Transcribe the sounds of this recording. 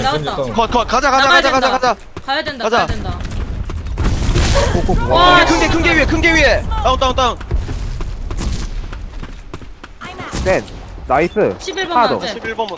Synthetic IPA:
kʌkʌkad͡ʑakad͡ʑakad͡ʑakad͡ʑakad͡ʑa | kad͡ʑa | okoɯŋɡekʰɯŋɡekʰɯŋɡeɥiekʰɯŋɡeɥiet̪͈aɯnt̪͈aunt͈aɯŋ | ten | naisʰɯɕdo̰ɕʰibiɭbʌm

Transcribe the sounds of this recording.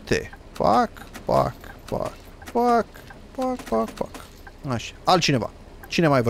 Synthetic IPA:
t̪ḛ | fa̰kfa̰kfa̰k | fak | fakfakfa̰k | aʃḁalt͡ʃine̞va̰ | t͡ʃinemajvə

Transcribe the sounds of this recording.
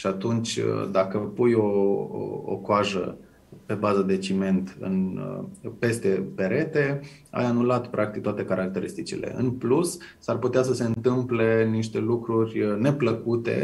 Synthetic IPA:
ʃiat̪unt͡ʃʲd̪akəpujo̞ | o̰koaʒə̰ | pe̞bazəd̪e̞t͡ʃime̞nt̪ɨ̰n | pe̞st̪e̞pe̞ɾe̞t̪e̞a̰janulat̪pɾʔakt̪ik̚t̪oat̪e̞kaɾʔak̚t̪e̞ɾist̪it͡ʃḭle̞̰ɨ̰nplusː | arput̪eas̬əse̞ɨnt̪ɨmple̞niʃ̬t̪e̞lukɾurʲne̞pləkut̪e̞̰

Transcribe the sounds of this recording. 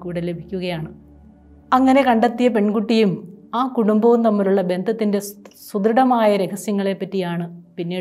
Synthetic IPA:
kuːɽelebʱikʲːuɣɐjaːɳɨ | ɐŋːɐne̞kɐɳɖɐt̪ːijɐpe̞ɳkuʈːijumaːkuɽumbɐʋumt̪ɐmːɐluɭːɐbe̞nd̪ʱɐt̪ːinde̞sud̪ɾɨɽɐmaːjɐɾe̞ɣɐsjɐŋːɐɭe̞pːɐtːijaːɳɨpinːiː

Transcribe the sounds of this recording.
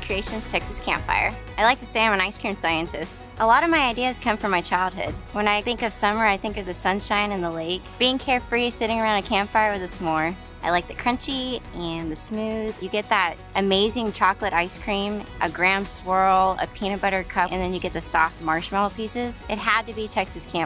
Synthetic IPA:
kʰɹ̥ieɪʃɨ̃nz̥tʰɛksɨskʰæ̰̃mpfa̰ɪə̰˞ | aɪlaɪk̚tʰɨseɪãɪmɨ̃ñaɪskɹ̥ĩmsaɪɨ̃ntʰɪstʔəlɔɾʌvmaɪaɪdiɨz̥kʰʌ̃ɱfɹʌ̃maɪt͡ʃʰaɪlˠd̚ɦʊ̰d̥̚wə̃naɪθɪ̃ŋkʌv̥sʌ̃mə˞aɪθɪ̃ŋkʌvðɨsʌ̃nʃãɪ̃nɨ̃nðəleɪkb̥iɪ̃ŋkʰɛɹfɹisɪɾɪ̃ŋə˞ãʊ̃ndɨkʰæ̃mpfaɪə˞wɨðɨsmɔɹ | ʔaɪlaɪk̚ðɨkʰɹ̥ʌ̃nt͡ʃiɨ̃nðɨsmʉð̥jɨɡɛt̪̚ðəɾ | ʔɨmeɪzɪ̃ŋt͡ʃʰɑklˠəɾaɪskʰɹ̥ĩmʔɨɡɹæ̃mswɜ˞l̩ˠə̰pʰĩñɨbʌɾə˞d̚kʰʌʔɨ̰̃nðɨ̃njɨɡɛt̪̚ðɨsɔ̰ft̚mɑɹʃmɛl̩ˠpʰisɪzɨt̚ɦəd̚tɨbitʰɛksɨskʰæ̃m

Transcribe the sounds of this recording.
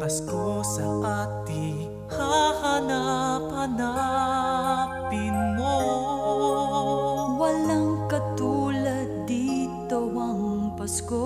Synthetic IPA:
pɐskosɐʔaːt̪ɪ | hahɐnapɐna | pɪnmo | wɐlɐŋkɐt̪uːlɐd̪ːiːt̪omɐɦʊŋpɐsko

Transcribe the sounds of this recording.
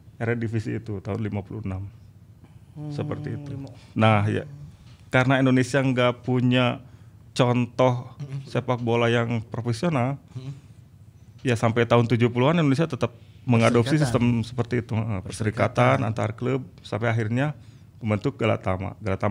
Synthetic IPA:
eɾɛdifisiːt̪ut̪aɦʊnlimapulunam | səpərt̪iːt̪unahja̰kaɾənaindonesiaŋɡaʔpuɲat͡ʃɔnt̪ɔhsepak̚bolajaŋpɾofesional | jasampajt̪aɦʊnt̪ud͡ʒupuluanindonesiat̪ət̪əp̚məŋadopsisist̪əmsə̥pərt̪iːt̪uəʔəpəsəɾikat̪ana̰nt̪aɾkləb̚sampajaɦirɲa | pəmbənt̪ʊk̚ɡəla̰t̪ama̰ɡəlat̪am

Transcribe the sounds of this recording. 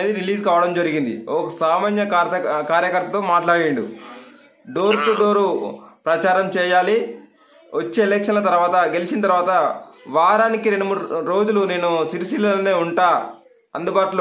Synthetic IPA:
eːd̪iɾiliːd͡ʒkaːʋɐɽɐmd͡ʒɐɾiɡind̪ḭɔkɐsaːmaːnjɐk̪ːkaːɾjɐkɐɾt̪ɐt̪oːmaːʈlaːɽiɳɖu | ɖoːɾʈuɖo̞ːɾupɾɐt͡ʃaːɾɐmt͡ʃɛːjaːli | ʋɐt͡ʃːe̞ːlɛkʂɐnlɐt̪ɐɾʋaːt̪ɐɡelit͡ʃinɐt̪ɐɾʋaːt̪ɐʋaːɾaːnikiɾenːumuːɽɾo̞ːd͡ʒulune̞ːnusiɾisilɐlne̞ːuɳʈaː | ɐ̰nd̪ubaːʈulo

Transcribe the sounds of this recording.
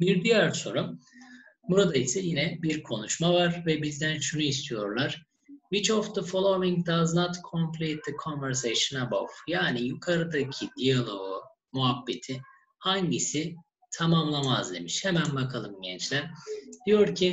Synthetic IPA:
biɾd̪yjæɾso̞ɾum | buɾad̪aisɛjinɛbiɾkʰo̞nuʃmavaɾvɛbizd̪ænʃunuist̪ʰijo̞ɾlˠaɾ̥ | vit͡ʃɔfd̪ɯfolˠomiŋd̪aznat̪kʰompʰlʲiːt̪likʰonvɛɾs̬ejʃɯnabo̰fjaːnijukʰaɾɯd̪acʰid̪ijalˠo̞u | muɦabːet̪ʰɪ | haɲɟisɪ | t̪ʰamamlˠamazd̪ḛmiʃhemænbakʰalˠɯmɟɛnt͡ʃlʲæɾ̥d̪̥ijo̞ɾcʰi

